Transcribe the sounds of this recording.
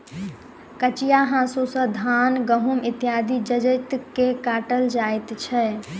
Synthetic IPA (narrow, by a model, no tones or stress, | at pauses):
kət͡ʃijaɦãsusə̃d̪ʱanɡəɦumit̪ijad̪ʱid͡ʒəd͡ʒət̪kekaʈəld͡ʒajt̪t͡ʃʰɛ